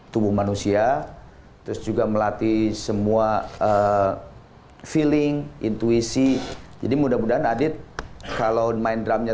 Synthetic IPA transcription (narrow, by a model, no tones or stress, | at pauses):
t̪ubʊhmanusia | t̪ɾʊsd͡ʒuɡaməlat̪isəmuaə | filɪŋḭnt̪uisid͡ʒa̰dimudamudaɦanadɪt̪̚kalawmaɪndɾamɲa